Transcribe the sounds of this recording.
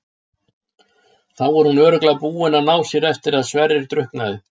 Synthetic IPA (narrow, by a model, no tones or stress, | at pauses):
θawɔɾ̥hunœːɾʏklapuːɪnanaːwsjɛɾɛft̪ɪɾaðsvɛɾɪɾ̥t̪ɾʏhknaðɪ